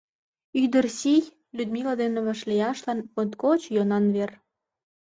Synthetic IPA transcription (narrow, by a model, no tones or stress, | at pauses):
yd̪ərsij | lʲyd̪miləd̪enĕβɑ̆ʃlʲiɑʃlɑnpot̪kot͡ɕjonɑnβer